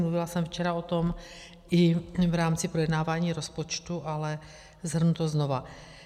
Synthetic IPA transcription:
mluvɪlasɛmft͡ʃɛɾao̞t̪o̞m | ʔɪvɾaːmt͡sɪpɾojɛdnaːvaːɲiːɾo̞spot͡ʃt̪uʔalɛ | zɦr̩nut̪ozno̞va

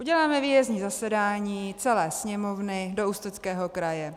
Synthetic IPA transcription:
uɟɛlaːmɛviːjɛzɲiːzasɛdaːɲiːt͡sɛlɛːsɲɛmovnɪdo̞ust̪ɛt͡skɛːɦo̞kɾajɛ

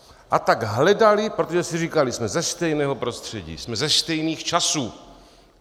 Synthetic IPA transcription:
ʔat̪aɡɦlɛdalɪpɾot̪oʒɛsiriːkalismɛzɛst̪ɛjnɛːɦo̞pɾo̞st̪r̝̥ɛɟḭːsmɛzɛst̪ɛjniːxt͡ʃasuː

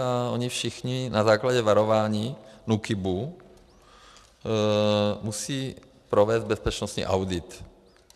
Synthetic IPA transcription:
aʔoɲɪfʃɪxɲɪnazaːklaɟɛvaɾovaːɲiːnukɪbu | musiː | pɾovɛːzd̪̚bɛspɛt͡ʃnost̪ɲḭːʔawdɪt̪

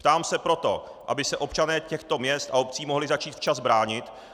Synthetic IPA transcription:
pt̪aːmsɛpɾo̞t̪o̞̰ | ʔa̰bɪsɛʔo̞pt͡ʃanɛːcɛxt̪o̞mɲɛst̪ʔao̞p̚t͡siːmo̞ɦlɪzat͡ʃiːt̪ft͡ʃazbɾaːɲɪt̪

